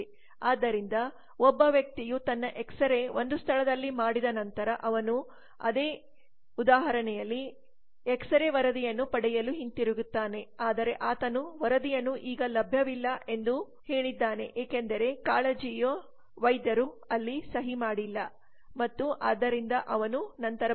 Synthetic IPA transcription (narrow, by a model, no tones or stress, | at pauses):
aːd̪ːɐɾind̪ɐ | ɔbːɐʋjɐk̚t̪ijut̪ɐnːɐʔɛksɐɾe̞ʔo̞nd̪ust̪ʰɐɭɐd̪ɐlːimaːɽid̪ɐnɐnt̪ɐɾɐʔɐʋɐnu | ɐ̰d̪e̞ː | ud̪aːɦɐɾɐɳɛjɐlːi | eksɐɾeʋɐɾɐd̪ijɐnːupɐɽɛjɐluɦint̪iɾuɡut̪ːaːne̞aːd̪ɐɾe̞ʔaːt̪ɐnuʋɐɾɐd̪ijɐnːuʔiːɡɐlɐbʱjɐʋilːɐʔe̞nd̪u | he̞ːɭid̪ːaːne̞ʔeːkend̪ɐɾe̞kaːɭɐd͡ʒijo | ʋɐjd̪jɐɾu | ɐlːisɐɦimaːɽilːɐ | mɐt̪ːuʔaːd̪ːɐɾind̪ɐʔɐʋɐnunɐnt̪ɐɾɐ